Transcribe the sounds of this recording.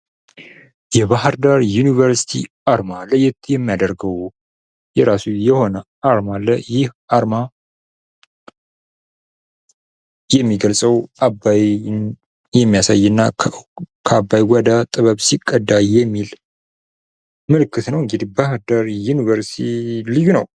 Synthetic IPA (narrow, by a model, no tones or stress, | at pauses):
jɛβahɾd̪aɾjunivəɾsi̥t̪ʰḭ | aɾmalːəjɛt̪jɛmːijad̪əɾɡəw | jɛɾasujɛho̞nə | aɾmalːəjɪh | aɾma | jɛmːiɡəlsʼəwabajn | jɛmːijasajːɨnːa | kʰabːajwɔd̪at̪ʼɨβəβsikʼːəd̪ːajɛmːil | mɨlɨkːɨt̪nəwɨŋɡɨd̪ibahɾd̪aɾjunivəɾsit̪ʰilɨjːunəw